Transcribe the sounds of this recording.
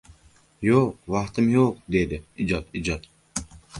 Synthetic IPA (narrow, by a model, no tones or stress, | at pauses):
joqvɑqt̪ɨmjoq̚d̪ed̪ɪid͡ʒɒt̪id͡ʒɒt̪